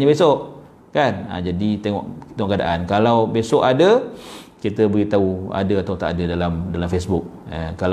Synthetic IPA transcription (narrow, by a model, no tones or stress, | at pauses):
ɲəbesɔʔ | kana̰d͡ʒadit̪eŋɔ̰ʔt̪eŋɔkada̰ʔankalawbesɔʔadəkit̪əbəɣit̪aua̰dəat̪awt̪a̰ʔadədalamdalamfesbuk̚ | akal